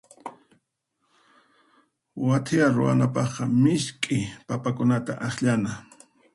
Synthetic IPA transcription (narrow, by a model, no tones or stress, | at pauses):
wat̪ʰɪaɾʊ̰a̰napɑχqɑmɪʃkʼɪpapakʊnat̪a̰ʔaχʎana